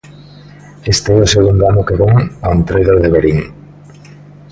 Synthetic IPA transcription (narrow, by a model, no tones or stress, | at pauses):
est̪eeoseɣund̪oanokeβeŋoant̪ɾejðoɾðeβeɾiŋ